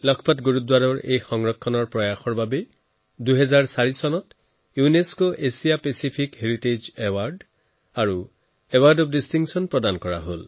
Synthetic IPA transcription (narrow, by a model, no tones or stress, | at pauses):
lɔkʰɔpatɡuɹutdwaɹɔɹḛjxɔŋɹɔkʰːɔnɔɹpɹɔjaxɔɹbabe | duɦɛzaɹsaɹisɔnɔt | juneskoʔesijapesipʰikɦeɹited͡ʒewaɹɖ | aɹu | ewaɹɖɔpdistiŋksɔnpɹɔdankɔɹa̰ɦol